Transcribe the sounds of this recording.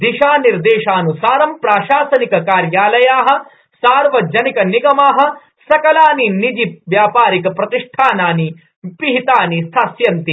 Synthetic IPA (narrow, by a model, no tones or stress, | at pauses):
d̪iʃaːniɾd̪eːʃaːnusaːɾɐmpɾaːʃaːsɐnikɐkaːɾjaːlɐjaːɦɐ̆ | saːɾʋɐd͡ʒɐnikɐniɡɐmaːɦɐ̆ | sɐkɐlaːninid͡ʒip̚ʋjaːpaːɾikɐpɾɐt̪iʂʈʰaːnaːni | piɦit̪aːnist̪ʰaːsjɐnt̪i